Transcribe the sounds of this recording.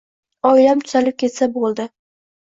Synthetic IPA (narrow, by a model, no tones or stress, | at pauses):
ɒjlamt̪ʰʊ̥z̥alɪp̚kʲe̞t̪sabolˠd̪ɪ